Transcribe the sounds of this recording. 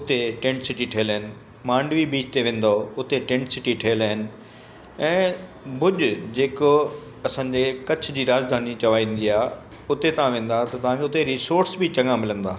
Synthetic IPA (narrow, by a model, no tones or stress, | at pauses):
ʊt̪eʈẽːɳʈsɪʈiʈʰeːlɦɪnɪ̆ | mãːɳɖʋibiːd͡ʑt̪eʋẽːn̆d̪oʊt̪eʈẽːɳʈsɪʈiʈʰeːlaɦɪnɪ̆ | ɛ̃ː | bʱʊd͡ʑʊd͡ʑeːko | ɐsãːɲd͡ʑekɐt͡ɕ̆ʰd͡ʑiːɾaːd͡ʑd̪ʱaːnit͡ɕɐʋaːĩːn̆d̪iaː | ʊt̪et̪ɐɦãʋẽːn̆d̪at̪ɐt̪ɐʋ̤ãkʰeʊt̪eɾiːsoːɾsbɪt͡ɕɐ̃ŋãmɪlə̃nd̪aː